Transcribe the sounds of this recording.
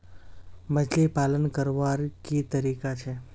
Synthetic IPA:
məd͡ʒlipalənkəɾʋaɾkit̪əɾikat͡ʃʰe

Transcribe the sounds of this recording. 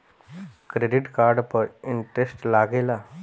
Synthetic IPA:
kɾeɖɪʈkaːɾɖpəɾɪɳʈɾesʈlaːɡeːlaː

